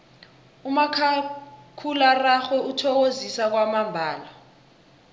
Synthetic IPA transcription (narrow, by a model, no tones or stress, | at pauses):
umakʰakʰularaxwɛutʰɔk̬ozisak̬wamambʱaːla